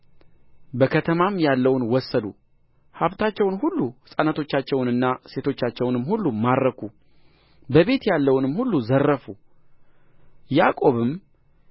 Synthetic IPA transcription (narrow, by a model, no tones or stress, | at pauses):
bəkʰət̪ʰəmamjalːəwnwɔsːəd̪ṵ | haβt̪ʰat͡ʃːɛwnhulːuhɨsʼənət̪ʰo̞t͡ʃːat͡ʃːɛwnɨnːase̞t̪ʰo̞t͡ʃːat͡ʃːɛwnɨmhulːumaɾːəkʰu | bəβe̞t̪jalːəwnɨmhulːuzərːəfu | jakʼo̞βɨm